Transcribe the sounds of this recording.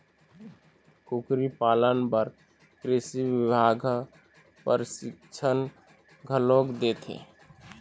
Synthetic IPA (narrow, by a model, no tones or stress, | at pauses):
kukɾipaːlənpəɾ | kɾesiʋɪbʱaːɡʱ | pəɾsɪkt͡ʃʰən | ɡʱəloːkd̪eːt̪ʰḛː